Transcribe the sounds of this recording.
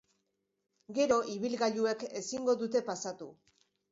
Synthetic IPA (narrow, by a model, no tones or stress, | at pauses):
ɡe̞ɾo̞ʔiβ̞ilɣaʎue̞ke̞siŋɡo̞ðut̪e̞pasat̪u